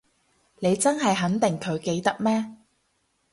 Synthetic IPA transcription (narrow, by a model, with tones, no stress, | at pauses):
ne˨˧jt͡sɐ˥nɦɐ˨jɦɐ˨˥nt̪ɪ˨ŋkʰɵ˨˧ɥke˨˧jt̪ɐ˥k̚mɛː˥